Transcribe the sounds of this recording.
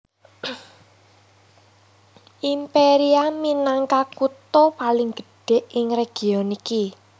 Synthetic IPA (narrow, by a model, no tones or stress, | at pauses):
ʔimpeɾiaminaŋkakut̪opalɪŋɡ̥ə̤̥ɖ̥e̤ʔɪŋreɡ̥iɔniki